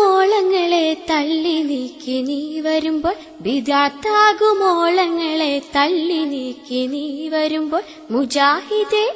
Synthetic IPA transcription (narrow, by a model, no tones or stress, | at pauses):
oːɭɐŋːɐɭet̪ɐɭːinikʲːiniʋɐɾumbo̞ːɭ | bid̪jaːt̪ːaːɣumoːɭɐŋːɐɭet̪ɐɭːiniːkʲːiniʋɐɾumbo̞ːɭ | mud͡ʑaːhid̪e